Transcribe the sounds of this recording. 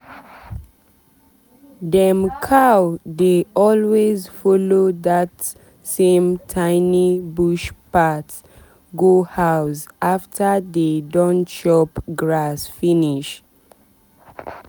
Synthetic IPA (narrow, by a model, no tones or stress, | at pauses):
dɛ̃mkʰawdeɔlwezfɔloðat | sẽmtʰãɪnibuʃpat | ɡohaʊsaftʰədedɔ̃ntʃɔpɡɹasfiniʃ